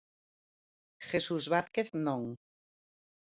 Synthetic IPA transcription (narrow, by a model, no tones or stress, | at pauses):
xesuzβaθkeθnõŋ